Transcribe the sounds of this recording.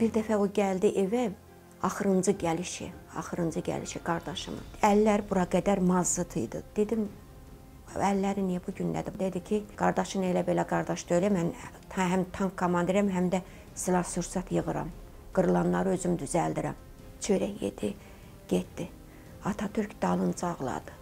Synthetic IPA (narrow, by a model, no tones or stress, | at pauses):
b̥iɾd̪æfæoɟæld̪iʔevæ | ɑxɯɾɯnd͡ʒɯɟæliʃḭɑ̰xɯɾɯnd͡ʒɯɟæ̰lḭʃiɡɑɾd̪ɑʃɯ̰mɯ̰ælːæɾbuɾɑɡæd̪æɾmɑzːɯt̪ʰɯ̰jd̪ɯ̰d̪̥e̞d̪im | ælːæɾinijæbuɟynlæ̰d̪ibd̪ed̪icʰiɡ̥ɑɾd̪ɑʃɯnelæbe̞læɡɑɾd̪ɑʃd̪øjlæjæmæn | ɦæmt̪ʰɑŋkʰːomɑnd̪eɾæmɦæmd̪æ | silˠɑɾsuɾsɑt̪ʰjɯɣɯɾɑ̰m | ɡ̥ɯɾɯlˠɑnlˠɑɾɯø̞zymd̪yzæld̪iɾæ̰m | t͡ʃʰøɾæhjḛd̪̥i | ɟ̥et̪̚d̪i | ɑt̪ʰɑt̪ʰyɾcd̪ɑlˠɯnd͡ʒɯɑɣlˠɑ̰d̪ɯ